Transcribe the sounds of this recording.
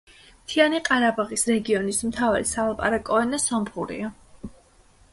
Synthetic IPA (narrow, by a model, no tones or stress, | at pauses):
mt̪ʰianiqʼaɾabaʁisɾɛɡiɔnismt̪ʰava̰lisalˠapʼa̰ɾakʼɔɛnasɔmχuɾḭa